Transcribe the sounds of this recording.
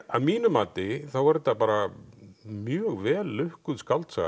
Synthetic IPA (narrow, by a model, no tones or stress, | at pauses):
aðmiːnʏmaːt̪ɪθawvɛɾt̪apaːɾa | mjœːɣvɛːlːʏhkʏðskalt̪sa̰